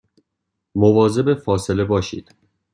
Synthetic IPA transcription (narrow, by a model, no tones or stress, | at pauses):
movɒːze̞be̞fɒːse̞le̞bɒːʃḭːd̪̥